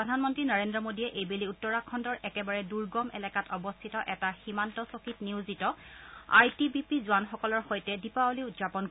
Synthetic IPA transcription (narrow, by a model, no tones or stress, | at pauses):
pɹɔdʱanmɔntɹinaɹendɹɔmodiɛʔejbeliutːɔɹakʰːɔndɔɹʔɛkɛbaɹɛduɹɡɔmɛ̰lɛkatɔbɔstʰitɔʔɛtaximantɔsokitniwzitɔa̰jtibipizʊanxɔkɔlɔɹxojtɛdipaoliutzapɔnk